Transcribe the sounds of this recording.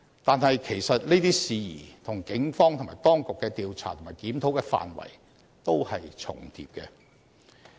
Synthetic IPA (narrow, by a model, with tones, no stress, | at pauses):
t̪aː˨˧nhɐ˨jkʰe˨˩jsɐ˨t̚leː˥t̪iː˥siː˧jiː˨˩t̪ʰʊ˨˩ŋkɪ˨˥ŋfɔː˥ŋt̪ʊ˨ŋma̰ː˨˩jt̪ɔː˥ŋkʊ˨kːɛː˧t̪iː˨wt͡sʰaː˨˩ʊ˨˩ŋmaː˨jkiː˨˥mt̪ʰo˨˥wkɛː˧fa̰ː˨nwɐ̰˨˩j | t̪o˥whɐ˨jt͡sʰʊ̰˨˩ŋt̪ʰḭ˧p̚kɛː˧